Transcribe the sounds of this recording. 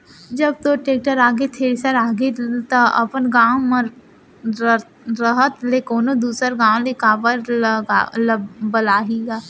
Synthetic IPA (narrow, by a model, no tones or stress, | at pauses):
d͡ʒɐb̚t̪oʈeːk̚ʈəɾaːɡet̪ʰeːɾsəɾaːɡet̪oɐ̰pənɡãːwmə̃ | ɾəɦət̪lekoːnod̪uːsəɾɡãːwlekaːbəɾɡalbəlaːɦiɡaː